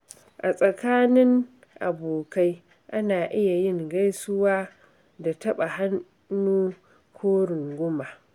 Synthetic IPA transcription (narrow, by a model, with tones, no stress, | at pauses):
ʔa˨sʼɐ˨kaː˦nɪ˦ŋ | ʔa̰˨boː˨ka˦j | ʔa˦naː˨ʔɪ˦ja˨jɪ˦ŋɡa˦jsʊ˦waː˦ | da˨tɐ˦ɓa˨ha˦nː | uː˦ | kʷʰoː˦ɽʊ˨ŋɡʷʊ˦ma˨